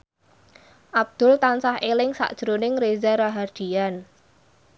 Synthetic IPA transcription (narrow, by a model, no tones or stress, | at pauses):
ʔab̚d̪̥ʊlt̪ansahelɪŋsa̰ʔd̥ʒ̥ɾonɪŋrezaɾaɦard̪̥ian